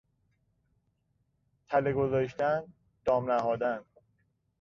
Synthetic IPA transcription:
t̪ʰæleɡozɒːʃt̪æn | d̪̥ɒːmnæɦɒːd̪æn

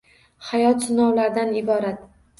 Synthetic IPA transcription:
hajɒt̪sɪnɒwlaɾd̪anɪbɒɾat̪

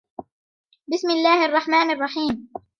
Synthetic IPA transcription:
bɪsmɪlːaːhʔɑrˤːɑħmaːnɑrˤːɑħiːm

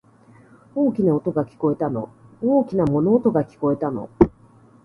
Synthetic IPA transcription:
o̞ːkʲinaot̪o̞ɡakʲi̥ko̞e̞t̪ano̞̰oːkʲinamo̞no̞ːt̪o̞ɡakʲi̥ko̞e̞t̪ano̞̰

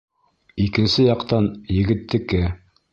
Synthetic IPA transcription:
ikɘ̆nsɘjɑqt̪ɑnjɘ̆ɡɘ̆t̪ːɘ̆kɘ

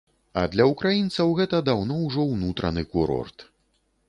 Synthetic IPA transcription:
ɐ̰d̪lʲɐukɾajint̪sɐwɣɛt̪ɐd̪awnɔwʐɔwnut̪ɾɐ̰nɨkuɾɔ̰rt̪

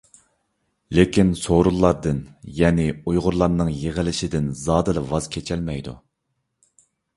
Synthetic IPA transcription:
lekʲinsoɾulˠːɑɾd̪ɨnjɛːnɪujʁʊɾlˠɑɾnɨŋjeʁəlɪʃɪd̪ɪnzɑːd̪ɨlˠɨvɑz̥kʲʰet͡ʃʰɛlmɛjd̪ṵ

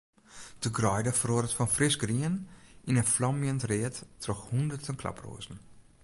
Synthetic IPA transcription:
d̥əɡrɔʏdəfrɔːdətfɔnfrɪʃɡriːənʔɪnənflɔmjəntreːtd̥rɔxhʊndətənkʰla̰pro̰ːzn̩

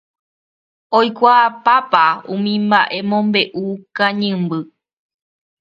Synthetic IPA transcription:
ojkʷaːpapaṵ̃mĩmbaʔe̞mõmbe̞ʔukãɲɨ̃mbɨ

